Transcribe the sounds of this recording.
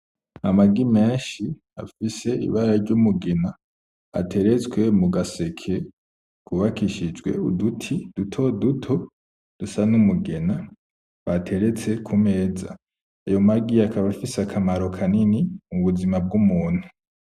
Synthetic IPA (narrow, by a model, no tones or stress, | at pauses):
amaɡime̞ːʃi | a̰fise̞ḭβaɾaɾɟumuɡe̞na | a̰tʰe̞ɾe̞t͡swe̞muɡase̞kʰe̞ | kuβakiʃid͡ʒɡwe̞̰udutʰid̥utʰo̞dutʰo̞ | d̥usanumuɡe̞na | βatʰe̞ɾe̞t͡se̞kʰume̞ːza | ajo̞maɡiakaβafisakʰamaɾo̞kʰaninimuβuzimab̚ɡumuːn̥hu